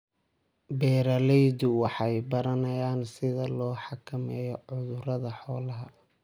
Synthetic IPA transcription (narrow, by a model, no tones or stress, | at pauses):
bɛːɾɐlɛjdʊwɑħɑjbɐɾɐnɐjaːnsɪðɐlɔːħɑkʰɐmɛːjɔʕʊðʊrɐðɐħɔːlɐɦɐ